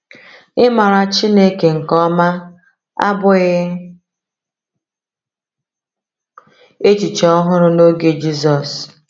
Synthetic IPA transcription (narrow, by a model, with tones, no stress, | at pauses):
ɪ˦ma˨ɾa˨t͡ʃi˦ne˦ke˨ŋ̩˨kɔ˦ma˦ | a̰˦bʊ˦ɣɪ˦ | e˦t͡ʃi˨t͡ʃɔ˦ɦʊ˦ɾʊ˦no˦ɡe˨d͡ʒi˦sɔ˨s